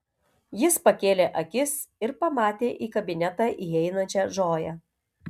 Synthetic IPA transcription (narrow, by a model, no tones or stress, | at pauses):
jɪspɐkʲeːlʲeːʔɐkʲɪsɪɾpɐmɑːt̪ʲeːʔiːkɐbʲɪnʲɛt̪ɑːʔiɛɪnɐnʲt͡ʃʲɛʒoːjɛ